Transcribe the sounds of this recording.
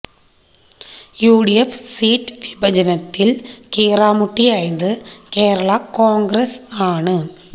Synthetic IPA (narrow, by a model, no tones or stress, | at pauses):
juːɽijɛfsiːʈʋɪbɐd͡ʒɐnɐt̪ːɪlkeːɾaːmʊʈːiɐjnd̪ɯkeːɾɐɭaːkaːŋɡɾɐsaːɳɯ